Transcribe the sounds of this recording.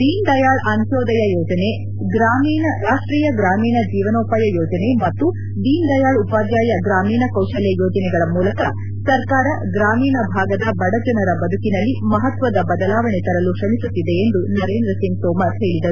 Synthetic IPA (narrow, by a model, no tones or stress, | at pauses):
d̪iːnd̪ɐjaːɭɐnuʃɔːd̪ɐjɐjɔːd͡ʒɐne | ɡɾaːmiːnɐɾaːʂʈɾiːjɐɡɾaːmiːnɐd͡ʒiːʋɐnoːpaːjɐjɔːd͡ʒɐne̞mɐt̪ːu | d̪iːnd̪ɐjaːɭupaːd̪jaːjɐɡɾaːmiːnɐkɐwʃɐlɛjoːd͡ʒɐnɛɡɐɭɐmuːlɐkɐ | sɐɾkaːɾɐɡɾaːmiːnɐbʱaːɡɐd̪ɐbɐɽɐd͡ʒɐnɐɾɐbɐd̪ʱukinɐlːimɐɦɐt̪ʋɐd̪ɐbɐd̪ɐlaːʋɐɳet̪ɐɾɐluʃɐmisut̪ːid̪e̞ːnd̪unɐɾeːnd̪ɾɐsiŋɡ̚t̪ɔːmɐɦe̞ːɭid̪ɐɾu